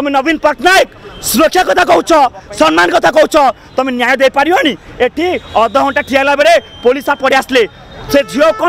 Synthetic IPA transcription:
t̪ɔmenɔbinpɔʈʰnajksuɾɔkʰjakɔt̪ʰakɔɦut͡ʃʰɔsɔnmankɔt̪ʰakɔɦut͡ʃʰɔ | t̪ɔmenjajɔd̪ejpaɾijoɦaɽ̃ieʈʰiɔd̪ɔɦɔ̃ɳʈaʈʰialabeɾe | polisapɔɽiasle | sed͡ʒʱiokɔ

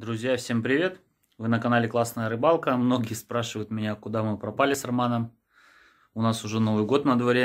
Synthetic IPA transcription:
d̪ɾʊzʲjafsʲe̞mpɾʲɪvʲe̞t̪ | vɨnəkɐnalʲɪklˠasnəjəɾɨbalˠkəmno̞ɡʲɪjəspɾaʂɨvəjʊt̪mʲɪnʲakʊd̪amɨpɾɐpalʲɪsrɐmanəm | ʊnasʊʐɛno̞vɨjɡo̞t̪nəd̪vɐɾʲe

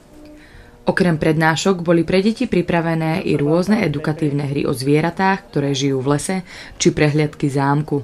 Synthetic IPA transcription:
ʔɔkɾɛmpɾɛd̪naːʃɔɡbɔlipɾɛɟɛcipɾipɾaʋɛnɛːʔḭɾʊɔznɛɛd̪ukat̪iːʊnɛɦɾḭʔɔ̰zʋɪɛɾat̪aːxkt̪ɔɾɛːʒijuːvlɛsɛ | t͡ʃipɾɛɦlɪat̪kizaːmku

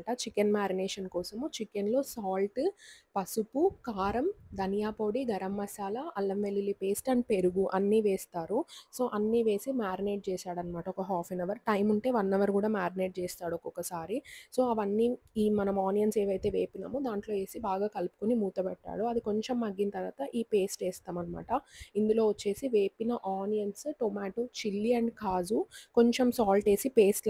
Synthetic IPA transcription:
ʈɐt͡ʃikenmaːɾineːʂɐnkɔːsɐmut͡ʃikenlo̞ːsaːlʈpɐsupukaːɾɐmd̪ʱɐnijaːpo̞ːɽiɡɐɾɐmːɐsaːlɐɐlːɐmʋelːilipeːsʈɐnpeɾuɡuʔɐnːiʋeːst̪aːɾuso̞ːʔɐnːiːʋe̞ːsimaːɾineːʈ̚t͡ʃeːsaːɽɐnmaːʈɐɔkɐɦaːfʰinɐʋɐɾʈɐjmuɳʈe̞ːʋɐnːɐʋɐɾkuːɽaːmaːɾineːʈ̚t͡ʃeːst̪aːɽuɔkɔkɐsaːɾiso̞ːɐʋɐnːiːiːmɐnɐmaːnijɐnseːʋɐjt̪e̞ːʋeːpinɐmːud̪aːɳʈlo̞ːʋe̞ːsibaːɡaːkɐlupu̥kunimuːt̪ɐbɛʈːa̰ːɽuɐd̪iko̞ɲt͡ʃemːɐɡːinɐt̪ɐɾʋa̰ːt̪ɐʔiːpe̞ːsʈeːst̪aːmɐnɐma̰ːʈɐind̪ulo̞ːʋɐt͡ʃːe̞ːsiʋeːpinɐʔaːnijɐnsʈomaːʈoːt͡ʃilːiɐɳɖkaːd͡ʒuko̞ɲt͡ʃemsaːlʈe̞ːsipe̞ːsʈ

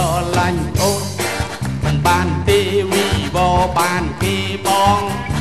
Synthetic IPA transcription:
ɑlaɲʔot̪̚ | mɨnɓaːnt̪eːʋiːʋɔːɓaːnkeːɓɑːŋ

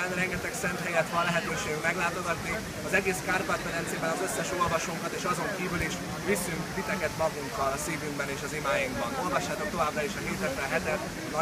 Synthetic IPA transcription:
anɾɛŋɡɛt̪ɛksɛnt̪ɦɛjɛt̪ʋɒnlɛɦɛt̪øːʃeːɡymɛɡlaːt̪o̞ɡɒt̪ni | ɒzɛɡeːskaːrpat̪fɛɾɛnt̪seːbɛnɒzø̞sːɛʃo̞lvɒʃoːŋkɒt̪eːʃɒzo̞ŋkiːvyliʃ | visyŋkt̪it̪ɛkɛt̪mɒɡuŋkɒlɒsiːvyŋɡbɛneːʃɒzimaːjiŋɡbɒno̞lvɒʃːaːt̪o̞k̚t̪o̞vaːbraiʃɒkeːt̪ɛt̪ɾɛɦɛt̪ɛt̪ | nɒ

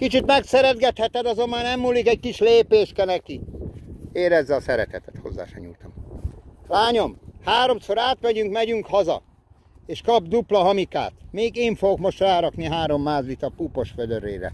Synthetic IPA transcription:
kit͡ʃit̪mɛksɛɾɛd̪ɡɛt̪hɛt̪ɛd̪ɒzo̞mːaːnɛmːuːlːikɛɟ̚kiʃleːpeːʃkɛnɛki | eːɾɛzːɛɒsɛɾɛ̰t̪ɛt̪ɛ̥t̪ho̞̰zːa̰ːʃɛ̰ɲṵlt̪ɒ̰m | laːɲo̞mhaːɾo̞mso̞ɾaːt̪mɛɟyŋkmɛɟyŋkhɒzɒ̰ | eːʃkɒbd̪uplɒɦɒmika̰ːt̪meːɡeːɱfoɡokmo̞ʃt̪raːɾɒkniɦaːɾo̞mːaːzʋit̪ɒpupo̞ʃfød̪øɾeːɾɛ̰

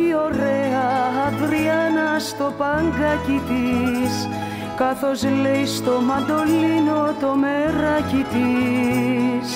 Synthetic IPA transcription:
io̞ɾeɐːðɾiɐnɐst̪o̞pɐŋɡɐcit̪is | kɐθo̞zlejst̪o̞mɐnd̪o̞linot̪o̞meɾɐcit̪i | s

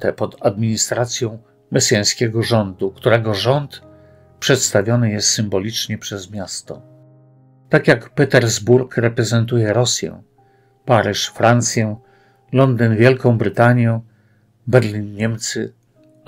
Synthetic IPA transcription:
t̪ɛpɔd̪ad̪mʲiɲist̪ɾat̪sʲjɔ̃w̃ | mɛsjaj̃skʲɛɡɔʐɔnd̪ukt̪uɾɛɡɔʐɔnt̪ | pʂɛt̪st̪avʲjɔnɘjɛst̪sɘmbɔlʲit͡ʂɲɛpʂɛzmʲjast̪ɔ̰ | t̪akjakpɛt̪ɛɾzbuɾkɾɛpɾɛzɛnt̪ujɛɾɔsʲjɛ̰̃ | paɾɘʂfɾant̪sʲjɛ | lɔnd̪ɘnvʲjɛlkɔ̃w̃bɾɘt̪aɲjɔ̃ | bɛɾlʲinɲɛmt̪sɘ

